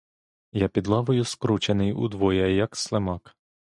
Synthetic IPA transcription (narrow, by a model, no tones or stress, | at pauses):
japʲid̪lˠɑʋʊjʊskɾut͡ʃenɪjṵd̪ʋɔjɐjɐkslˠemɑk